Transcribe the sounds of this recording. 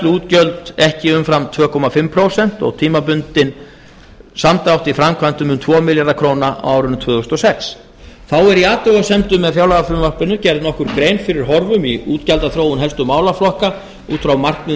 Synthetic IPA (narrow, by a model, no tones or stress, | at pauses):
t̪luːt̪cœlt̪ɛhcɪʏmfɾamt̪ʰvœːkʰɔmafɪmpʰɾowsɛn̥t̪ɔ̰ɣt̪ʰiːmapʏnt̪ɪn | samt̪awht̪ifɾamkʰvant̪ʏmʏmt̪ʰvɔːmɪljaɾakʰɾoːwnaʔa̰waːwɾʏnt̪ʰvœːðʏst̪ɔsɛks | θawɛɾiaːt̪ʏɣasɛmt̪ʏmːɛðfjaːwlaɣafʏɾmvarpɪnːʏcɛɾðnɔhkʏɾkɾejnfɪɾɪɾ̥ɦɔɾvʏmiuːt̪calt̪aθɾoːwʏnɦɛlst̪ʏmaːwlaflɔhka | ṵːt̪fɾawmar̥knɪ